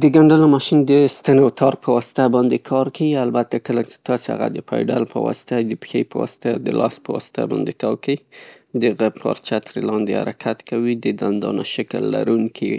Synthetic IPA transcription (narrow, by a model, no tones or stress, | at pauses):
d̪əɡaɳɖalomɑʃind̪əst̪anot̪ʰɑɾpəwɑsɪ̥t̪abɑnd̪ekʰɑɾkawialbat̪akəlat͡ʃe̥t̪ɑseha̰ɣa̰d̪əpɑjɖa̰lpə̰wɑ̰sɪ̥t̪ad̪əpə̥xejpəwɑ̰sɪ̥t̪ad̪əlʔɑspəwɑ̰sɪ̥t̪ʰa̰bɑnd̪ekawkai | d̪əɣab̚kʰɑ̰ɾt͡ʃat̪ɾelɑnd̪eha̰ɾakʰat̪kawid̪əd̪and̪ɑ̰na̰ʃakəlːa̰ɾuŋkʰi